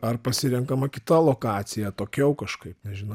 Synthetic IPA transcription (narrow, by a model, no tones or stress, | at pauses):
ɐrpɐsʲɪɾʲɛŋkɐmɐkʲɪt̪ɐlˠoːkɑːt̪sʲɪjɛt̪oːkʲɛʊkɐʃkɐɪpnʲɛʒʲɪnɐ